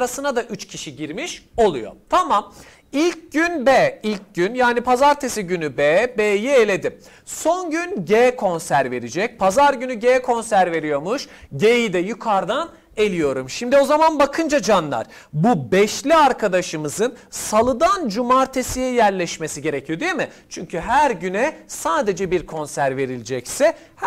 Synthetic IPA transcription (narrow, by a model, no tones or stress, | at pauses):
ɾasɯnad̪aʔyt͡ʃcʰiʃiɟiɾmiʃo̞lˠujo̰t̪ʰamam | ilʲc̚ɟynbeːilʲc̚ɟynjaːnipʰazaɾt̪ʰesiɟynybebeːjielʲe̞d̪i | so̞nɟynɟekʰo̞nsæɾve̞ɾid͡ʒɛc̚pʰazaɾɟynyɟeːkʰo̞nsæɾve̞ɾijo̞muʃɟejid̪ɛjykʰaɾd̪an | e̞lʲijo̞ɾumʃimd̪io̞zamanbakʰɯnd͡ʒad͡ʒanlˠa̰ɾ̥ | bubɛʃlʲiaɾkʰad̪aʃɯmɯzɯnsalˠɯd̪and͡ʒumaɾt̪ʰesijɛjæɾlʲɛʃmesiɟe̞ɾe̞cʰijod̪ijemɪt͡ʃʰyɲcʰyɦæɾɟynɛsaːd̪e̞d͡ʒɛbiɾkʰo̞nsæɾve̞ɾilʲid͡ʒɛcsɛ